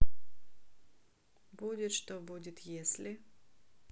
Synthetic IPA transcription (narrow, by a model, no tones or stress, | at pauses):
bud̪ʲɛʃt̪ɔbud̪ʲɪt̪jɛslɪ